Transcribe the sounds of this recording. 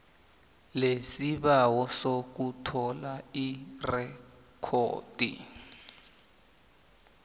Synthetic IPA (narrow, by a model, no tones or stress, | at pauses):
lesiɓawɔsok̬utʰɔlairɛ | kʰo̰ːd̥ḭ